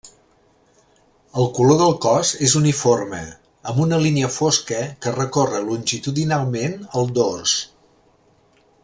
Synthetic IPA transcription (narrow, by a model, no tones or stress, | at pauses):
əlˠkuloðəlˠkɔzezuniformə̰ | əmbunəliniəfoskəkərəkorəlunʲʒit̪uðinalˠmenəlˠd̪ors